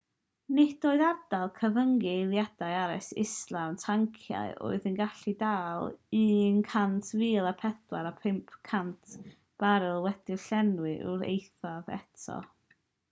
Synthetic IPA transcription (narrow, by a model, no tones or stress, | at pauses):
nɪdoːɨðard̥alˠkʰəvəŋɡɪlˠjad̥ajaɾɪsɪ̰slantʰaŋkʰja̰ɨo̰ːɨðənɡaɬidaːlˠinkʰantʰviːlˠapʰɛθwaɾapʰɪmpʰkʰantʰ | b̥aɾɨlˠwɛd̥ɪɬɛnwɨʔʊ̰ɾḛjθaðɛ̰tʰɔ̰